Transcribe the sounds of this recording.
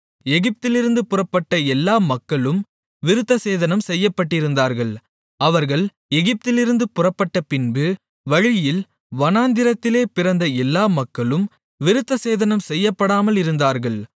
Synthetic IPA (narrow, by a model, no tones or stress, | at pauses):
ɛɣɪp̚t̪ɪlɪɾɯnd̪ɯpʊrɐpːɐʈːɐɛlːaːmɐkːɐɭɯm | ʋɪɾɯt̪ːɐseːðɐnɐmsɛjːɐpːɐʈːɪɾɯnd̪aːɾɣɐɭ | ɐʋɐɾɣɐɭ | ɛɣɪp̚t̪ɪlɪɾɯnd̪ɯpʊrɐpːɐʈːɐpɪnbɯ | ʋɐɻɪjɪl | ʋɐnaːnd̪ɪɾɐt̪ːɪleːpɪɾɐnd̪ɐɛlːaːmɐkːɐɭɯm | ʋɪɾɯt̪ːɐseːðɐnɐmsɛjːɐpːɐɽaːmɐlɪɾɯnd̪aːɾɣɐɭ